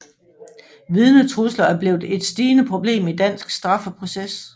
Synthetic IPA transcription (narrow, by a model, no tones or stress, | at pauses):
ʋið̞ˠnət͡sʰʁuslɐæɐb̥le̝ːʊð̩ˠe̝d̥sd̥iːnəpʰʁo̝b̥le̝̰ːmid̥æn̰sɡ̥sd̥ʁɑ̈fəpʰʁo̝ses